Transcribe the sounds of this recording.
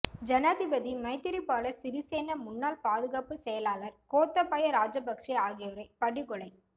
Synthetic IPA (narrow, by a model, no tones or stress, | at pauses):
d͡ʒɐnaːðɪbɐðimɐɪt̪ːɪɾɪpːaːlɐsɪɾɪseːnɐmʊnːaːlpaːðɯɣaːpːɯsɛjɐlaːlɐɾkoːt̪ːɐpːɐjɐɾaːd͡ʒɐbɐkʂiaːɣɪjɐʋɐɾɐɪpɐɽɪɣɔɭɐɪ